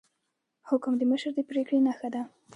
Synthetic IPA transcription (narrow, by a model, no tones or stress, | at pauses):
hʊkmd̪əməʃəɾd̪əpɾekɽenaxad̪a